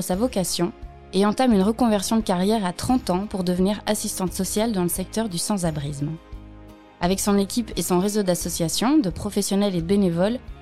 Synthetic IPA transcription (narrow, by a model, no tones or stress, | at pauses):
əsavɔkasjɔ̃ | eɑ̃t̪amynʁəkɔ̃vɛʁsjɔ̃d̪əkaʁjɛʁat̪χɑ̃t̪ɑ̃puʁd̪əvniʁasist̪ɑ̃t̪sɔsjald̪ɑ̃ləsɛk̚t̪œʁd̪ysɑ̃zabʁizm | avɛksɔ̃nekʲipesɔ̃ʁezod̪asɔsjasjɔ̃d̪əpχɔfɛsjɔnɛled̪əbenevɔl